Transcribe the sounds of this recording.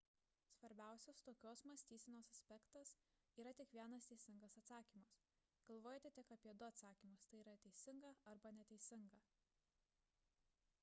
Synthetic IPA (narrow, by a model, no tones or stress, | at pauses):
sʋɐɾʲbʲæˑʊsʲɛst̪oːkʲoːsmɐsʲt̪ʲiːsʲɛnʲoːsɐsʲpʲɛkt̪ɐs | iːɾɐt̪ʲɪkʋʲiɛnɐst̪ʲɛɪsʲɪŋɡɐsɐt̪sɑːkʲiːmɐs | ɡ̥ɐlˠʋoːjot̪ʲɛt̪ʲɪkɐpʲiɛd̪ʊɐt̪sɑːkʲiːmʊst̪ɐɪiːɾɐt̪ʲɛɪsʲɪŋɡɐɐɾbɐnʲɛt̪ʲɛɪsʲɪŋɡɐ